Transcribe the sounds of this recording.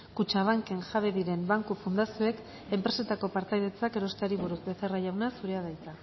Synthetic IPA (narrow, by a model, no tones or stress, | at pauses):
kut͡ʃaβ̞aŋke̞nʝaβe̞ðiɾe̞mbaŋkufund̪asioe̞k | e̞mpɾe̞se̞t̪ako̞paɾt̪ajðe̞t͡sake̞ɾo̞st̪eaɾiβ̞uɾuzbe̞θe̞rajawnasuɾe̞aðajt͡sa